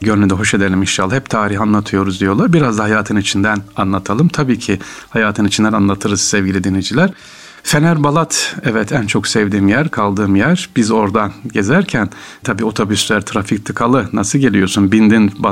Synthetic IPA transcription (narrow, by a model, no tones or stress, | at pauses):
ɟøɾlʲyd̪ɛɦo̞ʃed̪elʲiminʃalːˠaɦɛp̚t̪ʰaːɾiɦanlˠat̪ʰɯjo̞ɾuzd̪ijo̞lˠaɾbiɾazd̪aɦajaːt̪ʰɯnit͡ʃʰind̪ænanlˠat̪ʰalˠɯmt̪ʰabiːcʰihajaːt̪ʰɯnit͡ʃʰind̪ænanlˠat̪ʰɯɾɯz̥sɛvɟʲilʲid̪ined͡ʒilʲæɾ̥ | fenæɾbalˠat̪ɛvɛt̪ʰænt͡ʃʰo̞ksɛvd̪iːmjæɾkʰalˠd̪ɯːmjæɾbizo̞ɾd̪anɟe̞zæɾcʰæn | t̪ʰabiːo̞t̪ʰo̞byslʲæɾt̪ʰɾafic̚t̪ʰɯkʰalˠɯnasɯlˠɟe̞lʲijo̞sunbind̪inba